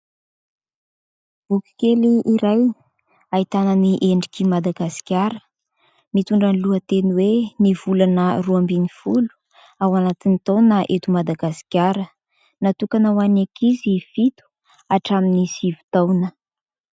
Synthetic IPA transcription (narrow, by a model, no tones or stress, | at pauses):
b̥ukʲi̥keliʔiɾaj | ait̪ananiʔeɳɖ͡ʐikimad̪aɡasi̥kʲjaɾə | mit̪uɳɖ͡ʐaniluət̪enweniv̥ulanəruambinifulu̥ | awanat̪init̪ownaʔet̪umad̪aɡasi̥kʲjaɾə | nat̪ukanawanakizifit̪u̥ | aʈ͡ʂaminisivu̥t̪awnə